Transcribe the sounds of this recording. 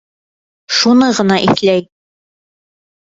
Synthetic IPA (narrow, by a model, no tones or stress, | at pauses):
ʃunɤʁɤ̆nɑʔiθlæj